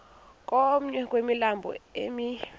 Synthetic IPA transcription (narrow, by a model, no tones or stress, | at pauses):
kʼom̩ɲɛkʼwemilambʱɔ̰emi